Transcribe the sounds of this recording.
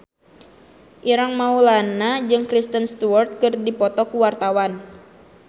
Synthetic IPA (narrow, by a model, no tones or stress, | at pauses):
ʔiɾaŋmaulanad͡ʒɨŋkɾist̪ənst̪uwart̪̚kɨrdipɔt̪ɔkuwart̪awan